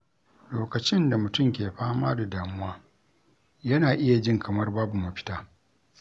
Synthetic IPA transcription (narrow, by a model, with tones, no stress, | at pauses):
loː˨kɐ˨t͡ʃɪ˦nda˨mʊ˨tʊ˦˨mkʲeː˨ɸaː˦maː˦da˨daː˨mʊ˦waː˦ | jɐ˦naː˨ʔɪ˦ja˨d͡ʒɪ˦ŋkʰɐ˨mɐ˦rbaː˦bu˨ma˨ɸɪ̥˦taː˦